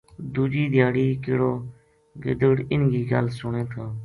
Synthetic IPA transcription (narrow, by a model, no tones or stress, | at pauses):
d̪uːd͡ʒiːd̪ʱɪjaːɽiːkɪːɽoː | ɡɪ̰d̪əɽɪnɡiːɡəlsʊɳẽːt̪ʰaː